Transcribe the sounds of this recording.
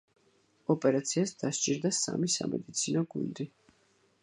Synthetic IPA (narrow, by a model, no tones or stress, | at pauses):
ɔpʼɛɾat̪sʰiasd̪̥ast͡ʃʼiɾd̪asa̰misamɛ̰d̪it̪sʰinɔɡund̪i